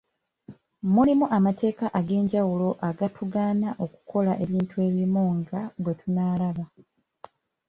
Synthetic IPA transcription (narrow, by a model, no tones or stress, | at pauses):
mulimuʔamate̞ːkaʔaɡe̞ːɲɟawulo̞ʔaɡatuɡaːnaʔo̞ku̥kʰo̞laʔe̞βiːntue̞βimuŋɡaɡwe̞tunaːlaβa